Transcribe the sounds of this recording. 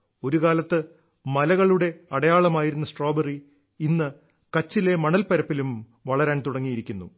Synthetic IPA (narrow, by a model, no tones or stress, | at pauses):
o̞ɾukaːlɐt̪ːɨ | mɐlɐɣɐɭuɽe̞ɐɽɐjaːɭɐmaːjiɾunːɐsʈro̞ːberi | inːɨ | kɐt͡ɕːile̞mɐɳɐlpɐɾɐpːilum | ʋɐɭɐɾaːnt̪uɽɐŋːijiɾikʲːunːu